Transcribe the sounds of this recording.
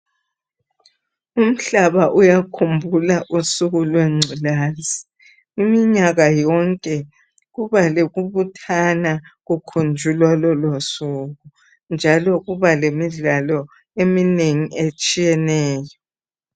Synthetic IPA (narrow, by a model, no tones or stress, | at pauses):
um̩ɬaβaʔujakʰumbʱulaʔusuɣulweŋ͡ǀʱulaːzi | imiɲaɣajɔŋkʼɛ | ɣuβaleɣuβutʰanaɣukʰund͡ʒʱulwalɔlosuɣu | nd͡ʒʱalɔɣuβalemiɮalɔ | emineŋiʔet͡ʃʼijɛnɛːjɔ